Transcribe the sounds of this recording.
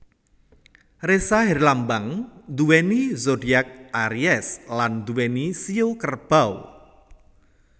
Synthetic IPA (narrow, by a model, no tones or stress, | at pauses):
resaɦɪrlambaŋd̪uwɛnizodiak̚ʔaɾiɛsland̪uwɛnisiokərb̥aw